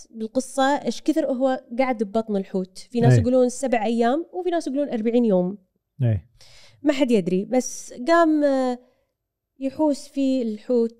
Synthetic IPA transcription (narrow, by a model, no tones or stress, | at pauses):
bɪlqɨsˤːɑʔeːʃkɪθɪɾʔʊɦwaɡaʕd̪bbɑt̪ˤnɪlħuːt̪finaːsjɪɡuːluːnsabʕʔajːaːmwfinaːsjɡuluːnʔɑɾˤbaʕiːnjoːm | eː | maħad̪jɪd̪ɾibasːɡaːm | jɪħuːsfiɪlħuːt̪̚